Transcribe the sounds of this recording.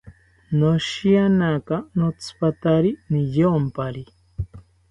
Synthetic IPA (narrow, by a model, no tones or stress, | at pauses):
noʃianakanot͡sʰɨ̥pat̪aɾinijeompaɾi